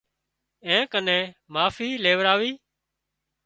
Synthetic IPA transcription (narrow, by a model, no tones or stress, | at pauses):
ẽːkənẽːmaːfiːleːʋɾaːʋiː